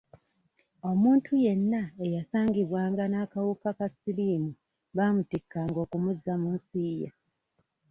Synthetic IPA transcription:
o̞muːntʰuje̞nːaejasaːŋɡiβwaːŋɡanaːkawukakasiliːmu | βamutikːaŋɡo̞ːkumuzamunsiːja̰

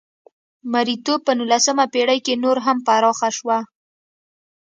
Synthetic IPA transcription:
maɾit̪opənulasəmapeɽajkenoɾɦampaɾɑxaʃwa

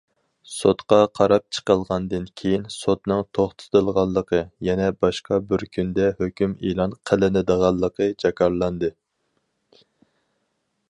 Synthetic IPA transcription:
sot̪qɑqʰɑɾɑp̚t͡ʃʰə̥qəlˠʁɑnd̪ɨnkʲʰejinsot̪nɨŋt̪ʰoχt̪ʰɨ̥t̪ɨlˠʁɑlˠːəqʰəjɛnɛbɑʃqʰɑbɪɾkʲʰynd̪ɛhøkʲymilˠɑnqʰælɪnɪd̪əʁɑlˠːəqʰəd͡ʒɑkʰɑɾlˠɑnd̪ɨ

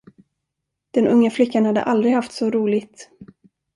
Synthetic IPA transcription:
d̪̥ɛnʔɵŋːaflʏkːanhad̪ːə̰ʔald̪ɾɪɡhaft̪sɔɾuːlɪt̪

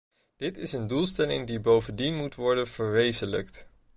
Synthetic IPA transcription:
d̥ɪtɪsəndulˠstɛlɪ̰ŋdibowvəndinmutʋɔɹdənv̥əɹʋejzənlə̰kt

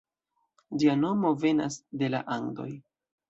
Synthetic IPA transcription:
d͡ʒiano̞mo̞ve̞na̰sde̞la̰ʔaŋdo̞̰j

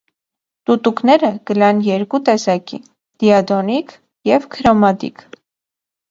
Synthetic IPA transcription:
t̪ut̪uknɛɾəɡəlɑnjɛɾkut̪ɛsɑkḭ | d̪̥iɑd̪ɔnik | jɛvkʰəɾɔmɑt̪ḭkʰ

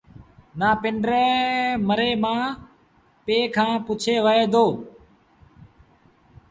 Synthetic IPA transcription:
naːpɪɳɖɾeːməɾeːmãː | peːkʰãːpʊt͡ʃʰeːʋəeːd̪oː

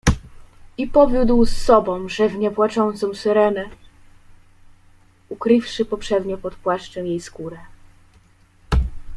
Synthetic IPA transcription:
ipɔvʲjud̪wsːɔbɔ̃w̃ʐɛvɲɛvwat͡ʂɔnt̪sɔ̃w̃sɘɾɛnɛ | ukɾɘfʂɘpɔpʂɛd̪ɲɔpɔt̪pwaʂt͡ʂɛwjejskuɾɛ

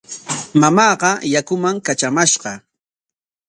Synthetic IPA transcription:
mamɑːɢɑjakʊmaŋkat͡ʃamaʃqɑ

